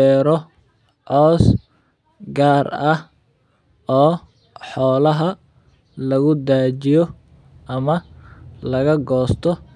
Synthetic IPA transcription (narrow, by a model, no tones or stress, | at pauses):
ɛːɾɔ | ʕɔːs | ɡaːrɐh | ɔː | ħɔːlɐɦɐ | lɐɣʊd̪aːt͡ʃɪjɔ | ʔɐmɐlɐɣɐɡɔːst̪ʰɔ